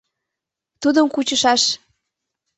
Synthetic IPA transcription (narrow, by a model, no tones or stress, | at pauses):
t̪ud̪əmkut͡ɕəʃɑʃ